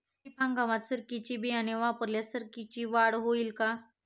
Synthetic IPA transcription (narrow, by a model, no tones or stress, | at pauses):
ipʰãŋɡaʋat̪səɾkit͡ʃibianeʋapəɾljasəɾkit͡ʃiʋaːɽɦoilka